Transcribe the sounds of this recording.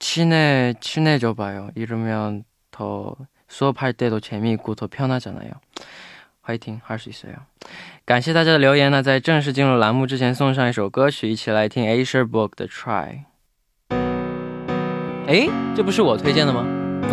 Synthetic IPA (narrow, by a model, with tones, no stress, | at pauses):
t͡ɕʰy˥ne˥˩t͡ɕʰi˥ne˥˩t͡ɕjo˧˩ʊpa˧˩ɪjo˧˩ʊi˥˩ɻu˥˩me˧˥jɑ˥˩ʊ | t̪ʰo˧˥ʊ | sɔ˥pʰa˥˧ɪt̪e˥˧ɪo˧˥ʊt͡ɕʰjɛ˧˥nmi˥˧ku˥˩t̪ʰo˧˥ʊpʰjɑ˥˧ʊna˥˧t͡ɕja˨˩na̰˧˥ɪjo̰˧˩ʊ | wa˥i˧˩t̪ʰi˥ŋ˥˩ʂɻ̩˧˥˩i˧˩swḛ˥˩o̰˧˩˦ka˨˩nɕjɛ˥˧t̪a˥˩t͡ɕja˥d̪ə˨ljo˧ʊjɛ˧˥na˥˧t͡sa˥˧ɪʈ͡ʂɤ˥˧ŋʂ̬ɻ̩˥˧t͡ɕi˥˧nɻu˥˩la˧˥nmu˥˧ʈ͡ʂɻ̩˥t͡ɕʰjɛ˧˥nsʊ˥˧ŋʂ̬ɑ˥˧ŋi˥˩ʂo˨˩ʊkɤ˥t͡ɕʰy˨˩i˥˩t͡ɕʰi˨˩la˧˥ɪt̪ʰi˥ŋe˥ɪʂə˥pʊ˥˩k̚d̪ə̰˨ʈ͡ʂʰɹa̰˥˩ɪ | e˧˥ɪʈ͡ʂɤ˥˩p̬u˧˥ʂ̬ɻ̩˥˩wɔ˨˩t̪ʰwe˥ɪt͡ɕjɛ˥˩nd̪ə˩mɐ˩